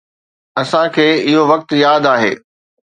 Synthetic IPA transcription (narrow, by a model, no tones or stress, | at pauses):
ɐsãkʰeːɪɦoʋɐk̚t̪jaːd̪aːɦḛː